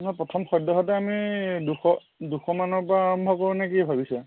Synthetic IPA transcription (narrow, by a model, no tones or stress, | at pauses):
nɔjpɹɔtʰɔmxɔjdɔɦɔtɛamiduxɔ | duxɔmanɔɹpɔɹaaɹɔmbʱɔkoɹunɛk̬ibʱabisɛ